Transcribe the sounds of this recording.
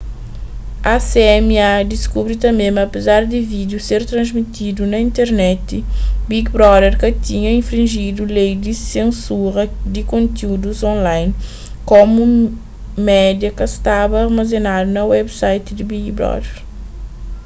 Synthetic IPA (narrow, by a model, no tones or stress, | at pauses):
aseɛmiad̪iskubɾit̪ɐ̃mẽmɐpezaɾd̪ivid̪juseɾt̪ɾɐ̃nzmit̪id̪unɐĩnt̪eɾnɛt̪ibiɡbɾɔd̪eɾkɐt̪iɲɐĩnfɾĩʒid̪ulejd̪isẽnsuɾɐd̪ikõnt̪eud̪uzõnlajn | komu | mɛd̪jɐkɐst̪abɐːɾmɐzenad̪unɐwɛbsajt̪id̪ibiɡbɾɔ̰d̪eɾ